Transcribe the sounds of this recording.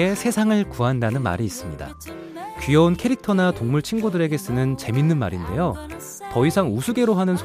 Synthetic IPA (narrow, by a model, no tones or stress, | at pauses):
e̞sʰe̞sʰaŋɯɭkuɦandanɯnma̰ɾiːs͈ɯmɲida̰ | kɥijʌunkʰe̞ɾik̚tʰʌnatoŋmuɭt͡ɕʰinɡudɯɾe̞ɡe̞s͈ɯnɯnt͡ɕe̞minːɯnma̰ɾinde̞jo | tʌisʰaŋusʰuɡe̞ɾoɦanɯnsʰ